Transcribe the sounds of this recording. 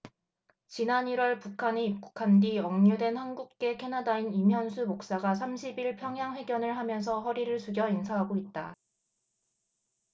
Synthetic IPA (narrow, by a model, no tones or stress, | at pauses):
t͡ɕinaniɾwʌɭpukʰaneip̚k͈u̥kʰandiʌŋɲudwe̞nhanɡuk̚k͈e̞kʰe̞nadainimɦjʌnsʰumok̚s͈aɡas̬ʰamɕʰibiɭpʰjʌŋjaŋwe̞ɡjʌnɯɭɦamjʌns̬ʰʌɸʌɾiɾɯɭsʰuɡjʌinsʰaɦaɡoit̚t͈a